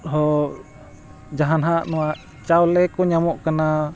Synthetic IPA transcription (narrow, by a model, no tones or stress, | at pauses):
ɦɔ | d͡ʒaɦanɦaʔnuwaʔ | t͡ʃaɔlɛkɔɲamɔʔkəna